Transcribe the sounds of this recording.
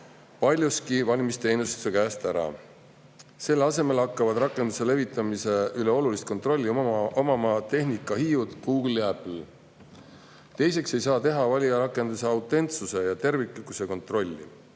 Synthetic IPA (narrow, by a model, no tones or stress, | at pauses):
pɑlʲjuskivɑlʲmist̪e̞jnust̪u̥se̞kæːst̪æɾɑ̰ | se̞lːɑse̞me̞lɑkːˑɑvɑd̪̥ɾɑkːˑe̞nd̪̥use̞le̞vit̪ːˑɑmise̞yleo̞lulist̪̚ko̞nt̪ˑro̞lʲːiomɑmɑt̪e̞ɦnikːˑɑhiːud̪̥ɡ̥uːɡlːiæpl | t̪e̞jse̞kse̞jsɑːt̪e̞ɦɑvɑlʲiɑɾɑkːˑe̞nd̪use̞ɑwt̪ːˑe̞nt̪suse̞jɑt̪e̞rvikˑlikːˑuse̞ko̞nt̪ro̞lʲːḭ